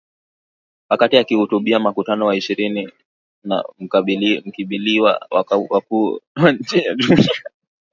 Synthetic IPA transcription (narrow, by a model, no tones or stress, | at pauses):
wakatiakihutuɓiamakutanɔwaiʃiɾini | na̰m̩m̩kiɓiliwa̰wakuwaɲ̩t͡ʃɛjaɗunia